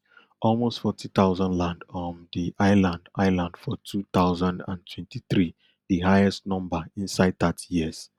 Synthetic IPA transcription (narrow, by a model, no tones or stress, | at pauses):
ʔɔlmostfɔtʰit̪aʊzãndlãndɔndiʔaɪlãndaɪlãndfɔtʰut̪aʊzãndã̰ntʰwɛ̃ntʰiθɹi | diɦajɛstnɔ̃mbəĩnsaɪd̚datʰjiz̥